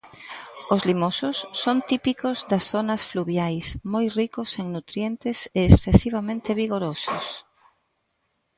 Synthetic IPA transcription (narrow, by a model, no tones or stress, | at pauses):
ozlimosʊsːont̪ipikozd̪ɐsθonɐsfluβjajsmojrikoseŋnut̪ɾjent̪ɪseːsθesiβ̞amẽnt̪ɪβiɣoɾosʊs